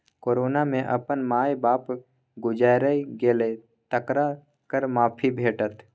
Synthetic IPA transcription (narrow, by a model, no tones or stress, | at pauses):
koːɾoːnamẽʔɐ̰pənmaːjbaːp | ɡʊd͡ʒaːjɾəiɡeːle | t̪əkɾa | kəɾmaːpʰibʱeːʈət̪